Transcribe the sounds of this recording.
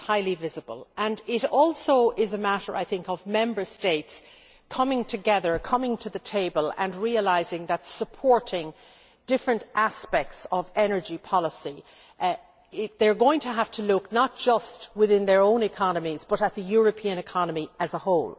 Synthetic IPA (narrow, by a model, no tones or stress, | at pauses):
haɪlivɪzəbə̰lˠə̃nɪɾɔlˠsoʊʔɪzəmaɾə˞ʔa̰ɪθɪ̃ŋkəvmɛ̃mbə˞steɪts | kʰʌmɪ̃ŋtʰɨɡɛðə˞kʰʌ̃mɪ̃ŋtʰɨðɨtʰeɪbələ̰̃nɹiəlaɪzɪ̃ŋðətsəpʰɔɹɾɪ̃ŋ | d̥ɪfɹɨ̃ntʔaspɛk̚tsʌvɛnə˞d͡ʒipʰɑləsi | ɪðə˞ɡoʊɪ̃ŋtʰəɦaftʰəlʊknət̚d̥ʒ̥ʌst̚wɪðɪ̃nðə˞õʊ̃nɨkʰɑnəmizb̥ʌɾət̪̚ðɨjɔɹɨpʰiɨ̃nɨkʰɑnəmiɨzəhoʊlˠ